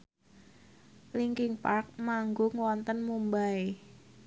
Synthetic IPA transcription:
liŋkɪŋpark̚maŋɡoŋwɔnt̪ənmumbae

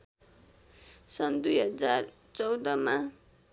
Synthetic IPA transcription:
sʌnd̪ujɦʌd͡zar | t͡sʌwd̪ʌma

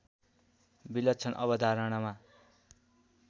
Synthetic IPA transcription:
bilʌt̪t͡sʰʌnʔʌ̰bʌd̪ʱaɾʌɽ̃ʌma

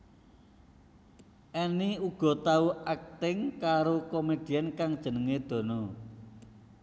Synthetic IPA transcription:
ʔeniuɡ̥ɔ̤t̪auak̚t̪ɪŋkaɾokomed̥i̤ankaŋd̥ʒ̥ə̤nəŋed̪̥ɔ̤nɔ

